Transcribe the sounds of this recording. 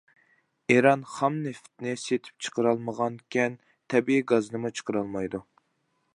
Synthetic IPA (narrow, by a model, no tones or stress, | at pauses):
eɾɑnχɑmneft̪nɪset̪ʰɪ̥p̚t͡ʃʰə̥qəɾɑlˠməʁɑnkʲʰɛn | t̪ʰɛbiːɡɑzɨnɨmut͡ʃʰə̥qəɾɑlˠmɑjd̪u